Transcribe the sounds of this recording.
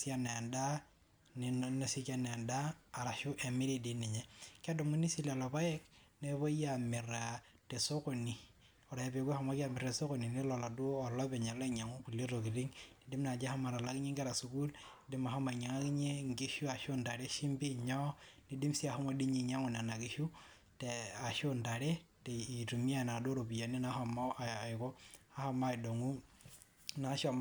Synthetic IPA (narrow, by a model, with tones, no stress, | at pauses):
si˦a˨nɛ˨nda˦ | nna˨si˦t͡ʃa˦ne˨ndaː˦˨ɾa˨ʃu˦ʔe˨mi˦ɾi˦di˦ni˨ɲe˦kɛ˦do˨mu˦ni˦si˦la˨lɔ˨βa˦e˦k | ne˦βo˦ja˨mi˨ɾa˨ | te˨so˦ko˨ni˨ | ɔ˨ɾa˨je˨be˨kʷwha˨ma˦ki˦a˦˨mi˨ɾe˨so˦ko˨ni˨ni˦lɔ˨la˨duː˦˨lɔ˦βe˨ɲa˨la˦ɲa˨ŋo˦ku˨le˦ɾo˨ki˨ɾi˦ŋni˨di˦mna˨d͡ʒa˦ha˦ma˨ɾa˨la˦ki˦ɲe˦ŋɡe˦ɾa˨su˨˦ku˦l | di˦ma˨ɦa˦ma˨ɲa˨ŋa˦ki˦ɲe˦ŋɡi˦ʃu˦a˨ʃo˦nda˨ɾe˦ʃi˦mbi˦ɲɔ˦ni˨di˦msi˦a˨hɔ˦mo˦di˦ɲi˨ɲa˦ŋu˨na˨na˨ki˨ʃu˦ | te˨a˨ʃo˦nda˨ɾe˦te˨i˨tu˨mi˦a˦˨na˨dɾo˨bi˨ja˨ni˦na˦ha˨mɔ˦a˨a˨i˨ko˦a˦ha˨ma˦i˨do˨ŋu˦ | na˨˦ʃɔ˨m